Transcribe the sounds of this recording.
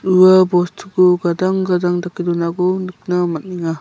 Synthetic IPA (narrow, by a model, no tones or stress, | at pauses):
ɾuabɔstʰɡuɡadaŋɡadaŋdakidɔnaɡɔnɯk̚namat̚niŋa